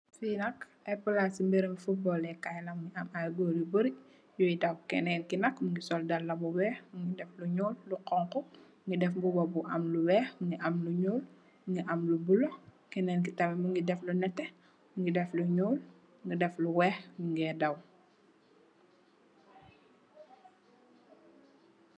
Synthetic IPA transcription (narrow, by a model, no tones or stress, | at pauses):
finɐk | ɛpəlasimbeɾəmfubɔlɛkajlɐmŋɡiʔɐmalɡɔljubəɾic | jɔjidɐwkɛnɛːnkinɐkmuŋɡisɔldɐlːɐbuwɛːxmuŋɡidɛfluɲɔːlːuqɔŋkɔ | ŋɡidɛfbubɔbuʔɐmluwɛːxŋɡiʔɐmluɲuːl | ŋɡiʔɐmlubulɔkɛnɛːnk̬itɐmɛmuŋɡidɛflunɛtːɛ | muŋɡidɛfluɲɔːl | ŋɡidɛfluwɛːxmuŋɡɛdɐw